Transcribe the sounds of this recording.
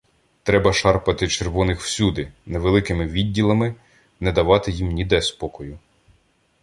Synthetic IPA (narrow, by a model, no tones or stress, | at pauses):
t̪ɾɛbɐʃɑrpɐt̪ɪt͡ʃerʋɔnɪxw̥sʲud̪ɪneʋelˠɪkɪmɪʋʲidʲːilˠɐmɪ | nɛd̪ɐʋɑt̪ɪjimnʲid̪ɛspɔkɔjʊ